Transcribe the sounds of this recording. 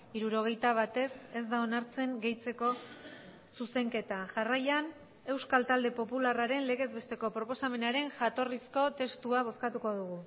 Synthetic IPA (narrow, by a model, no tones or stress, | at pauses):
iɾuɾo̞ɣ̞e̞jt̪aβ̞at̪e̞se̞zd̪ao̞naɾt͡se̞ŋɡe̞jt͡se̞ko̞ | suse̞ŋke̞t̪aʝarajan | e̞wskalt̪ald̪e̞po̞pularaɾe̞nle̞ɣe̞zβe̞st̪e̞ko̞pɾo̞po̞same̞naɾe̞nʝat̪o̞risko̞t̪e̞st̪uaβ̞o̞skat̪uko̞ðuɣ̞u